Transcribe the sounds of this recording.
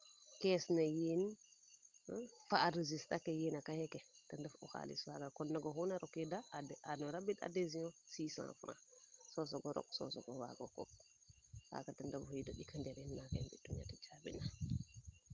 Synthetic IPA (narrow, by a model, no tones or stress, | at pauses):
kɛsnajen | faːdezistakɛjinakahɛkɛtandafɔ̰xa̰lḭswaɡakɔnːaɡɔhunaɾɔkːidaanɔɾabida̰deziɔ̃sisã̰fɾã̰sɔsɔɡɔɾɔ̰k̚sɔ̰sɔ̰ɡɔwa̰ɡɔkɔ̰ | ha̰katandafhudɔɗikʰandɛɾɛnːakanbiduɲa̰tɛt͡ʃabḭna